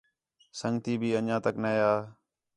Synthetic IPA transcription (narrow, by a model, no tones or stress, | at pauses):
səŋɡt̪iːbʱiːənãːt̪əknəːjaː